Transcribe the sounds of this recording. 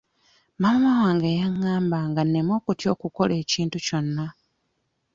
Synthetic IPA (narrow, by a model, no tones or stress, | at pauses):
mammawaːŋɡejaŋːaːmbaŋɡanːe̞mo̞ːkutjo̞ːkuko̞le̞ːciːntuco̞nːa